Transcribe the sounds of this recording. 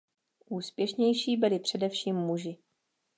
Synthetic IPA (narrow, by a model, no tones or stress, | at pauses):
ʔuːspjɛʃɲɛjʃiːbɪlɪpr̥ɛdɛfʃiːmːuʒɪ